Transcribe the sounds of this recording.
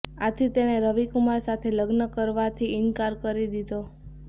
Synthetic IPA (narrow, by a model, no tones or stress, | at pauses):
at̪ʰit̪eneɾəʋikumaɾsat̪ʰeləɡnəkəɾʋat̪ʰiɪŋkaɾkəɾid̪id̪o